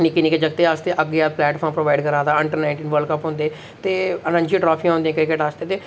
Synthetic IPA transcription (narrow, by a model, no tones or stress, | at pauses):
nikiniːked͡ʒəɡ̚t̪eːaːst̪eːʔəɡeːaːplɛːʈpʰɔːɾmpɾoːʋaːɪɖkəɾaːd̪aːɪɳʈəɾnaːɪ̃ɳʈiːnʋəlkəpɦʊ̃ːnd̪eː | t̪eːənãɲd͡ʒĩʈɾɔːpʰĩːãɦʊ̃nd̪ĩãkɾɪkeʈaːst̪eːt̪eː